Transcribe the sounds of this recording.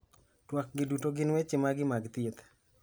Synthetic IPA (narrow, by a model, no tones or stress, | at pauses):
twak̚ɡɪdutoɡɪnwɛt͡ʃɪmaɡɪmaɡt̪jet̪